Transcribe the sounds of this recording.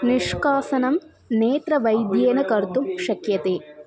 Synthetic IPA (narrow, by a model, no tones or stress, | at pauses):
niʂkaːsɐnɐm | neːt̪ɾɐʋɐjd̪jeːnɐkɐɾt̪umʃɐkjɐt̪eː